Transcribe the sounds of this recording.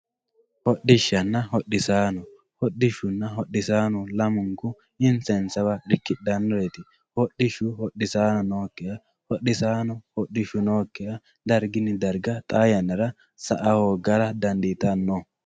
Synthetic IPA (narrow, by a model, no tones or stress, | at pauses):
hɔɗːɪʃːɐnːɐhɔɗːɪsaːnʊ | hɔɗːɪʃʊnːɐɦɔɗɪsaːnʊlɐmʊŋkʊ | ɪnt͡sɐnsɐbɐɾɪkːɪd̪ɐnːɔɾet̪ɪ | hɔɗːɪʃʊhɔɗːɪsaːnɔnoːkːɪjɐ | hɔɗːɪsaːnʊhɔɗːɪʃʊnoːkːɪjɐ | d̪ɐɾɡɪnːɪd̪ɐɾɡɐt̪ʼaːjɐnːɐɾɐ | sɐʔɐhoːɡɐɾɐd̪ɐnd̪it̪ɐnːɔ